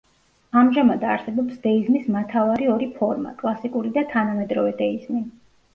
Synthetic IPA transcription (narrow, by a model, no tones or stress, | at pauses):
amʒamad̪aɾsɛbɔpsd̪ɛiznismat̪ʰavaɾiɔɾipʰɔɾma̰kʼlˠasikʼuɾid̪at̪ʰanamɛd̪ɾɔvɛd̪ɛizni